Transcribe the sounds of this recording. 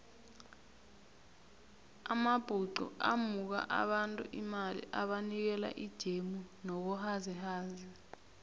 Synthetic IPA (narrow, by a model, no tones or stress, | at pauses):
amab̥ʱuǃɔ̰ʔamuk̬a̰ʔa̰ɓantʼṵʔimalḭʔaɓanik̬ɛla̰ʔid̥ʒ̥ʱemunɔk̬ɔhazihaːzi